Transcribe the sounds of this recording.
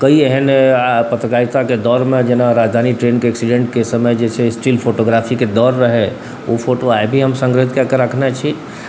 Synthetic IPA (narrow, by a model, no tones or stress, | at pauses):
kəieɦɛnpət̪ɾəkait̪aked̪ɔɾmẽd͡ʒenaɾad͡ʒd̪ʱaniʈɾenkeɛksiɖẽɳʈ̚kesəməjd͡ʒet͡ʃʰesʈilpʰoʈoɡɾapʰiked̪ɔɾːəɦɛ | opʰoʈoajbʱiɦəmsə̃ŋɡɾt̪kekəɾəkʰnɛt͡ʃʰi